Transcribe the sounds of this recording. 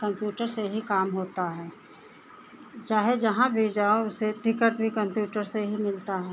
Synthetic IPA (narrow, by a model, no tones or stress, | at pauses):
kɐ̃mpjuːʈəɾseɦikaːmɦoːt̪aɦɛː | t͡ʃaːɦed͡ʒɐɦãbʱid͡ʒaːoʊseʈɾɪkəʈbʱikɐ̃mpjuːʈəɾseɦimɪlt̪aɦɛː